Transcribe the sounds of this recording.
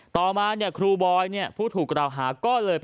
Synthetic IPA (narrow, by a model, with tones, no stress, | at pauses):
t̪ɔː˨˩maː˧ni˥˩ɐkʰɾuː˧bɔː˧jni˥˩ɐəpʰuː˥˩t̪ʰuː˨˩k̚ɾa˨˩wɦaː˩˦kɔː˥˩lɤː˧j